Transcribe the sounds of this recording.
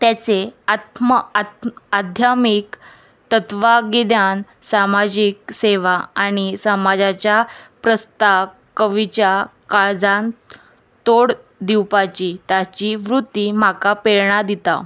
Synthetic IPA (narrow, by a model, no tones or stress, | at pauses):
t̪jat͡seat̪m | ad̪ʱjamik | t̪ət̪ʋaɡid̪jan | samad͡ʑikseʋaaɽ̃isamad͡ʑat͡ɕjapɾəst̪a | kəʋit͡ɕjakaɭd͡zãn | t̪oɽ | d̪iwpat͡ɕiːt̪jat͡ɕiʋɾut̪ːim̤akapeɭɳad̪it̪a̰